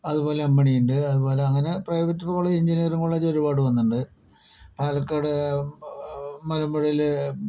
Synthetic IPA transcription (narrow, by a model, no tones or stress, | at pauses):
ɐðubo̞ːle̞ɐmːɐɳijuɳɖɨɐðubo̞ːle̞ɐŋːɐne̞prɐjʋɐtːɨpɐɣuɭːɐiɲd͡ʑinijɐruŋɡɐɭuɭːɐd͡ʑo̞ɾubaːɽɨʋɐnːuɳɖɨ | paːlɐkːaːɽɨ | mɐlɐmbɐɽijil